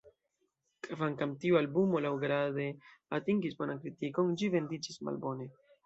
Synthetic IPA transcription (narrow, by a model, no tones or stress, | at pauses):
kvaŋkamtiualbumo̞lawɡɾade̞atiŋɡisbo̞nankɾitiko̞ŋd͡ʒive̞ndid͡ʒisma̰lbo̞ne̞